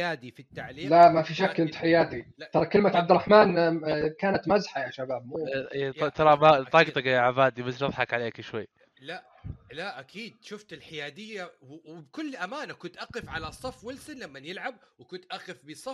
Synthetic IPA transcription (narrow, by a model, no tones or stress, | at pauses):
aːd̪ifit̪ːaʕliːlamafiʃakːʔɪnt̪ħɪjaːd̪it̪ɑɾˤɑkɪlmat̪ʕab̚d̪ɪrˤːɑħmaːnkaːnat̪mazħajaʃabaːb̚mut̪t̪ɑɾˤɑmat̪ˤɑːɡt̪ˤɑkjaʕabaːd̪imɪsʃɑðˤħɑkʕaleːkʃwajː | la | laʔakʰiːd̪̚ʃʊft̪ɪlħɪjaːd̪ɪjːawwbkʊlːʔamaːnakʊnt̪ʔaqɪfʕalasˤɑfwɪlsɪnlamːanjɪlʕab̚wɪkʊnt̪ʔaxɪfbisˤɑf